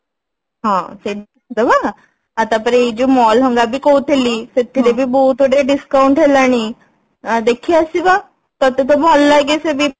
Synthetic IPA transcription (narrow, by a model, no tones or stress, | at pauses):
ɦãte | d̪əba | at̪ãpəɾeid͡ʑimɔlɦəŋɡabʱiːkout̪ʰeliːt̪et̪ʰiɾebʱiːbout̪oɽeɖiskauɳʈɦelañi | d̪ekʰiasiba | t̪ɔt̪et̪obɔlːaɡesebʱi